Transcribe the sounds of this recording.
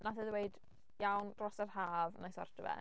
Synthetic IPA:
naθəðweɨd | jawnrɔsarhaːvnajsɔ̰rtəvɛ̰

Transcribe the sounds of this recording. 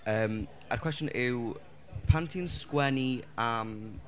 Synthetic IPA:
əːm | a̰rkʰwɛstjɔ̃nʔɪw | pʰantʰinskwɛniam

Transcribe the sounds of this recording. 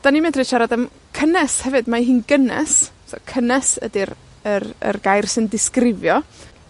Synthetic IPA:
d̥animɛdrɪʃaɾadəm | kʰənɛshɛvɨdmaɦiːnɡənɛ̰s | sɔ̰kʰənɛsə̰dir | ərə̰rɡajrsɨndɪskrɪvjɔ

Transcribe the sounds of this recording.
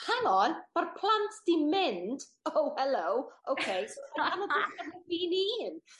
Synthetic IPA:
hanɔnb̥arpʰl̥ˠantʰd̥imɪndowhɛlowʔowkʰejsoaamɔbɪamɪnviːnin

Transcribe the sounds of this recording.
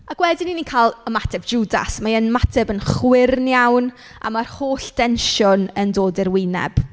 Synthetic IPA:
aɡ̥wɛdɪninikʰaːlˠəmatʰɛbd͡ʒuːda̰smaənmatʰɛbənχwɪrnjawn | ʔa̰marhoːɬd̥ɛnʃʊnəndoːdɪrwɪnɛ̰b̥

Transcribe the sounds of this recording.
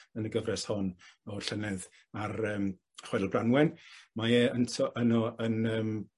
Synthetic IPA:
ənəɡəvrɛshɔnɔɬənɛð | arəːm | χwɛdəlˠbranwɛnmajɛəntʰɔʔənɔənəːm

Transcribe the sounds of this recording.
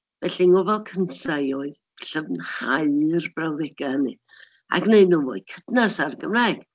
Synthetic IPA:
vɛɬiŋɔvɛlˠkʰəntʰajɔːɨð | ɬəvnhaɨrb̥rawðɛɡ̥ani | a̰ɡneɨdnuvo̰ɨkʰədnasarɡəmraɡ̥

